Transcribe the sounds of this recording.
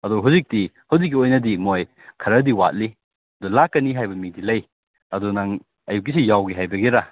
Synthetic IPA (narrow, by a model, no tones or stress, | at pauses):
ɐduɦawzik̚tihɐwzik̬̚ːiojnɐdimoj | kʰɐɾɐdiwat̚li | ɐdulakːɐniɦajbɐmidilɐj | ɐdunaŋ | ɐjuk̬̚ːisijawɡiɦajbɐɡeɾa